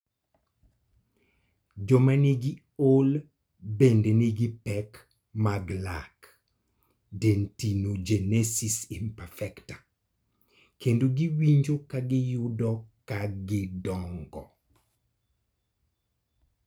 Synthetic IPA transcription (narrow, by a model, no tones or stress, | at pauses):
d͡ʒɔmaniɡi | ol | bendeniɡɪpɛk | maɡlak | dentinod͡ʒenesisimpɛfɛktḁ | kendoɡiwiɲd͡ʒokaɡɪjʊdɔkaɡɪdɔŋɡɔ